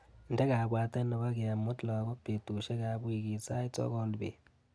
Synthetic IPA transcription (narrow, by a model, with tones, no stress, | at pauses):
n˨de˦ɣa˨βwaː˦te˦no˨βa˦ɣe˨a˨mo˦tla˨a˨ɣo˦pːe˨tu˨ʃe˦ka˨βwi˦ɣi˨t͡sa˦i˦t͡so̰˦ɣo˦lβḛ˨